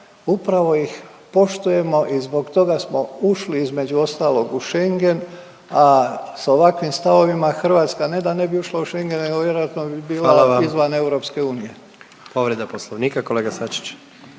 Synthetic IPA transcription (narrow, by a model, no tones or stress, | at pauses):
upɾaʋo̞jix | po̞ʃt̪uje̞mo̞ʔizbo̞ɡt̪o̞ɡasmo̞uʃliizme̞d͡ʑuo̞st̪aːlˠo̞ɡuʃe̞ŋɡe̞n | asaoʋakʋimst̪aʋo̞ʋimaxr̩ʋaːt̪skane̞d̪ane̞biuʃlˠauʃe̞ŋɡe̞neɡoʋje̞ɾojat̪nobibiːlalaaizʋane̞uɾo̞pske̞uːnije̞ | po̞ʋɾed̪aposlˠoʋniːkako̞leɡasat͡ʃi̥t͡ɕ